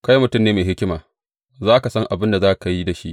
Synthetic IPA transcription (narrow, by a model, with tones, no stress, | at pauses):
ka˦ji˦mʊ˦tʊ˦˨mneː˦meː˨ɦɪ˦kʲɪ˦maː˨ | zaː˦ka˨sɐ˦ŋʔa˨bɪ˦nda˨zaː˦˨ka˨ji˦da˨ʃḭ˦ʔ